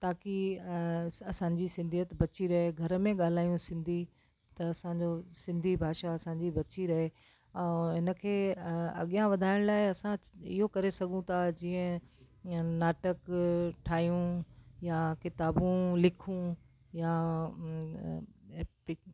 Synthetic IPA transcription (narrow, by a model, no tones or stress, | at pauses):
t̪aːki | ɐsãːɲd͡ʑisɪ̃nd̪ʱijət̪bɐt͡ɕiɾɐɦeɡʱɐɾə̆mẽɠaːl̤aːjũsɪ̃nd̪ʱi | t̪ɐɐsãɲd͡ʑosɪ̃nd̪ʱibʱaːʃaɐsãːɲd͡ʑibɐt͡ɕiɾɐɦe | ɛ̃ːɦɪnə̆kʰeːɐ̰ɠijãʋɐd̪ʱaːɪɽ̃laːɪɐsãɪ̰ɦokɐɾesɐɡʱũt̪ʰad͡ʑiːə̃ | naːʈəkʈʰaːɦijũjakɪt̪aːbũlɪkʰũ | ja | p